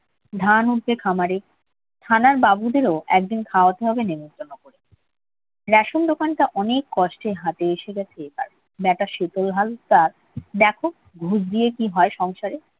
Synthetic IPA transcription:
d̪ʱanuʈ̚b̪ekʰamaɾe | t̪ʰanaɾbabud̪eɾoɛk̚d̪inkʰaoat̪eɦɔbenemont̪ɾonokoɾe | ɾɛʃomd̪okanʈaʔɔnekːɔʃʈeɦat̪eeʃeɡɛt͡ɕʰepa̰ɾ | bɛʈaʃet̪olɦalt̪aɾ | d̪ɛkʰo | ɡʱud͡ʑd̪ijekiɦɔeʃɔŋʃaɾe

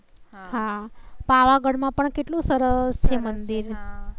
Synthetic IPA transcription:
ɦapaʋaɡəɽmãpəɳkeʈlũsəɾəst͡ʃʰemənd̪iɾ

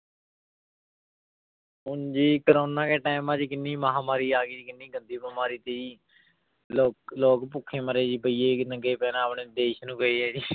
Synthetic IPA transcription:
ɦʊnd͡ʒiːkəɾoːnãːkeːʈaːmãːd͡ʒikɪnːiːməɦãːmaːɾiːaːɡiːd͡ʒiːkɪnːiːɡənd̪iːbəmaːɾiːt̪eːiː | loːloːkpʊkʰːẽːməɾeːd͡ʒiːpəiːeːnəɡeːpɛːnãːpɳeːd̪eːʃnũːkəeːɛːd͡ʒiː

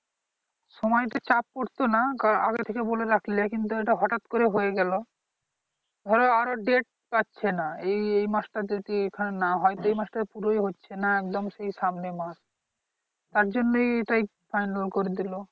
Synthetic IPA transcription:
ʃɔmɔjt̪ot͡ɕap̚koɾt̪onakaʔa̰ɡet̪ʰekeboleɾakʰliakint̪̬ueʈaɦɔʈat̪koɾeɦojeɡɛlo | d̪ʱɔɾeaɾoɖeʈ̚patːɕʰenaejejmasʈad̪et̪iekʰanenaɦɔjt̪oejmaʃʈapuɾojɦotːɕʰenaɛk̚d̪omʃejʃamnemaʃ | t̪aɾd͡ʑonːojeʈaj | fajnalkoɾed̪ilo

